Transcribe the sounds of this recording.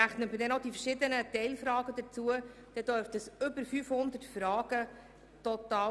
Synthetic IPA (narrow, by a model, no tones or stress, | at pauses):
æχnətmədɛnod̪ifəɾʃɪd̪ənət̪ɛɪlfɾɑːɡəd̪ət͡suəd̪̥ɛdøɾftəsʏbəɾfyːfhʊnd̪ətfɾɑːɡ̥ə | tɔt̪ɑː